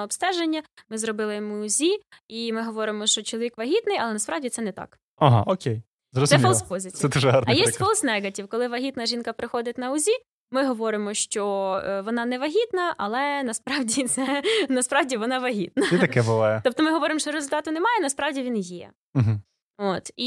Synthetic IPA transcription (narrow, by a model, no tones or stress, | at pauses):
ɐɔpst̪ɛʒenʲːɐmɪzɾɔbɪlˠɪjmuːzʲiimɪɦɔʋɔɾɪmɔʃt͡ʃɔt͡ʃɔlˠɔʋʲikʋɐɦʲit̪nɪjɐlˠɛnɐspɾɑwdʲit̪sɛnɛt̪ɑ̰k | ɐɦɑ̰ʔɔkʲej | zɾɔzɛmʲfɔlˠspɔzʲɪt͡sʲsɛd̪uʒɛɦɑɾjɛsstʲfɔlˠsnɛɡɐtʲiwkɔlˠɪʋɐɦʲit̪nɐʒinkɐpɾɪxɔd̪ɪt̚ʲnɐʊzʲi | mɪɦɔʋɔɾɪmɔʃt͡ʃɔʋɔnɑnɛʋɐɦʲit̪nɐʔɐlˠɛnɐspɾɑwdʲit̪sɛnɐspɾɑwdʲiʋɔnɑʋɐɦʲit̪̚nɐt̪ɐkɛbʊʋɑjɛt̪ɔp̚t̪ɔmɪɦɔʋɔɾɪmʃt͡ʃɔɾezʊlʲt̪ɑt̪ʊnɛmɑjɛnɐspɾɑwdʲiʋʲinjɛ̰ | ɦ̩ | ot̪i